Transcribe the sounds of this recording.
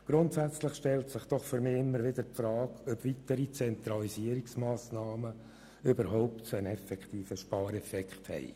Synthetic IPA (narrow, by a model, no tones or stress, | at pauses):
ɡ̥ɾʊnt̪sæt͡slɪχʃtɛltsɪχd̥̪ɔχfʏɾmɪːɪmːəɾʋɪd̥̪əɾpfɾɑːkœbʋit̪əɾit͡sɛnt̪ɾɑliziəɾiksmɑːsnɑːmə | ʏbəɾɦɔʊptsoənɛfɛkχt̪iːfəʃpɑːɾɛfɛkχthɛ̰ɪ